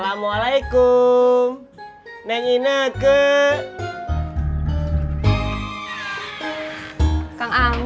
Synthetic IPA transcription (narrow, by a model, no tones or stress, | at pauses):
lamualaikum | nɛŋinəkə | kaŋaŋ